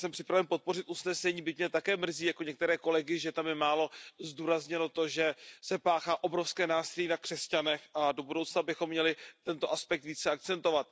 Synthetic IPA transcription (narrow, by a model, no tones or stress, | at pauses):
sɛmpr̥ɪpɾavɛnpo̞t̪̚po̞rɪt̪ʔusnɛsɛɲiːbɪc̚ɲɛt̪akɛːmr̩ziːjakoɲɛkt̪ɛɾɛːko̞lɛɡɪʒɛt̪amjɛmaːlo̞zduːɾazɲɛno̞t̪o̞ʒɛsɛpaːxaːʔo̞bɾo̞fskɛːnaːsɪliːnakr̝̥ɛscanɛxʔado̞budowt͡snabɪxo̞mːɲɛlɪt̪ɛnt̪o̞ʔaspɛk̚t̪viːt͡sɛak̚tt͡sɛnt̪o̞vat̪